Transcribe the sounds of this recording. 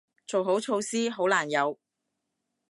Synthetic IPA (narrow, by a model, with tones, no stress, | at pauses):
t͡so˨wɦo˨˥wt͡ʃʰo˧wsiː˥ɦo˨˥wlaː˨˩njɐ˨˧w